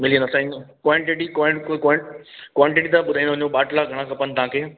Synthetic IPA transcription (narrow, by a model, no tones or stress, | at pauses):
mɪliə̃nd̪asãĩkwaɳʈɪʈikwakkwaːɳʈɪʈit̪aɓʊd̪ʱaĩnd̪oɦʊ̃ɲoɓaːʈlaɡʱɐɽ̃ãkɐpənɪ̆t̪ɐɦãːkʰeː